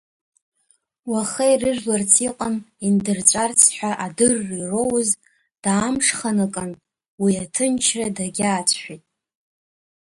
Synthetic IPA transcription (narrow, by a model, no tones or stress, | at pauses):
waχejrɨʒlart͡sʰiqʼanindɨrt͡sʷʼart͡sʰħʷᶣaʔadɨrːiiro̞wz | d̥aːmʂχanakʼan | wiatʰɨnt͡ʃʰradaɡʲaːt͡sʷʰħʷᶣitʼ